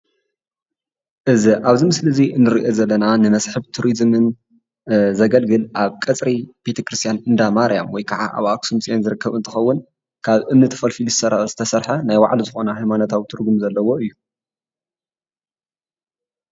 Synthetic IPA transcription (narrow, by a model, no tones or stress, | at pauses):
ʔɨziʔaβzimɨslɨziɨnːɨɾiʔozɐlːɐnanɨmɐsħɨβt̪ʰuɾizmɨn | zɐɡɐlɡɨlʔaβkʼɐt͡sʼɾib̥e̞t̪ʰɐkɾɨst̪ʰjanɨnd̪amaɾijamwɔjkʰaʕa̰ʔa̰βaksumsʼenzɨɾɨkːɐβɨnt̪ʰɨxɐwːʊn | kʰaβʔɨmnɨt̪ʰɐ̥fɐlfilzɨsɐɾɐɐzɨt̪ʰɐsɐɾħɐnajwa̰ʕlizɨxonahajmanot̪ʰawt̪ʰɨɾɡumzɐlːɐwo̞ʔɨjːu